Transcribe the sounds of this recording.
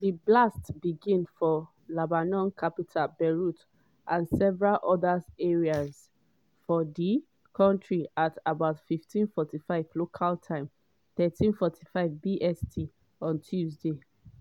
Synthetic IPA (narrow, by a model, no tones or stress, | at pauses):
diblastb̥iɡĩnfɔ | labanɔ̃nkʰapitʰabɛɹut | ʔãnsɛvɹalʔɔðazɛɹiaz | fɔdi | kʰɔ̃ntʰɹiatabaʊtfiftʰĩnfɔtifaɪvlokʰaltʰãɪ̃m | θɛtʰĩnfɔtʰi̥faɪvbiʔɛstʰi | ɔ̃ntʰjuzde